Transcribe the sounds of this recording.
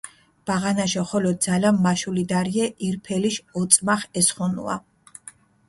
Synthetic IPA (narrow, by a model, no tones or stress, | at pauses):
b̥aʁanaʃɔχɔlɔd̪̚zalamːaʃulid̪aɾiɛʔiɾpʰɛliʃɔt̪sʼmaχɛsχɔnṵa̰